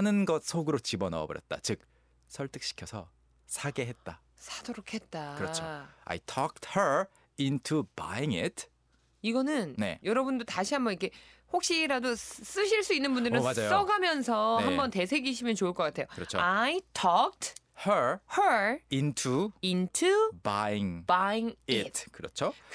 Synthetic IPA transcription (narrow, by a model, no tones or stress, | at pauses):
anɯnɡʌt̚sʰoɡɯɾot͡ɕibʌnʌ̰ʌ̰bʌ̰ɾjʌ̰t̚t͈a̰t͡ɕɯk̚ | sʰʌɭt͈ʰɯk̚ɕ͈i̥kʰjʌsʰʌ̰ | sʰaɡe̞ɦe̞t̚t͈a | sʰadoɾokʰe̞t̚t͈akɯɾʌt͡ɕʰoa̰jtʰɔk̚thə˞ | intʰuba̰iŋḭtʰ | iɡʌnɯnne̞̰jʌɾʌbundotaɕʰiɦambʌnikʰe̞hok̚ɕ͈iɾados͈ɯɕʰiɭs͈uinːɯnbundɯɾɾɯnmad͡ʑajos͈ʌɡamjʌnsʰʌhambʌnte̞sʰe̞ɡiɕ̬ʰimjʌnt͡ɕouɭk͈ʌk͈atʰejokɯɾʌt͡ɕʰo̰ajitʰʌk̚t | həhəintʰuintʰubaiŋbaiŋitʰkɯɾʌt͡ɕʰo